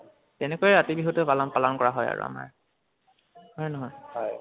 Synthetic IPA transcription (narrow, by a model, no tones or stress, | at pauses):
tɛnɛkojɛɹatibiɦutɛpalɔnpalɔnkɔɹaɦɔja̰ɹṵa̰ma̰ɹ | hɔjnɔɦɔjhɔj